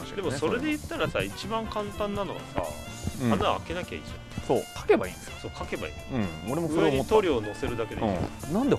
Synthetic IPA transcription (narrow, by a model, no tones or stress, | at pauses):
d̪e̞mo̞so̞ɾe̞d̪e̞jɯ̟t̪ːaɾasait͡ɕibãŋkãnt̪ãnːano̞ɡa̰sa̰ | anaake̞nakʲa̰ḭʑã | sokʰḁke̞baḭ | soːkake̞ba̰ḭːɯ̃oɾemoɯoeɲit̪oɾʲiono̞se̞ɾɯ̟d̪aked̪̰̃nãnd̪e